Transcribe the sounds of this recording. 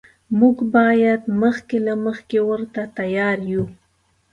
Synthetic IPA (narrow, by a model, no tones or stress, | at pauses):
muɡbɑjad̪məxkelaməxkewəɾt̪at̪ajɑɾju